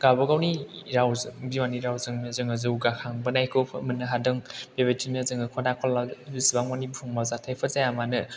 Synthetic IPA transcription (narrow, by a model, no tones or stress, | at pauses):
ɡ̥abɐɡawniɾawzɯŋbiwaniɾawzɯŋnɯzɯŋɯzɯuɡakʰaŋbɐnajkʰɯpʰɯmɯnːɐɦadɯŋb̥ebetʰinɯzɯŋɯkʰɔnakʰɔlabisibaŋmanibuhʰuŋmawzatʰajpʰəzajamanɯ